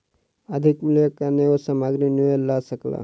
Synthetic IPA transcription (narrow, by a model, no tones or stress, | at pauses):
əd̪ʱɪkmʊljəkaneosamaːɡɾinuelasəkla̰ː